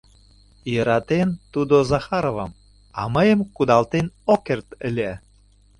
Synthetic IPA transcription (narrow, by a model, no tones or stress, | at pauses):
jəɾɑt̪ent̪ud̪ozɑxɑɾovɑm | ɑ̰məjə̆mkud̪ɑlt̪enokert̪əlʲæ